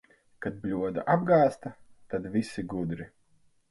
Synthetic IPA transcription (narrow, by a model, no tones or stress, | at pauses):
kad̪̚blʲuɔd̪a̰ʔab̚ɡaːst̪ɐt̪ad̪visiɡud̪ɾi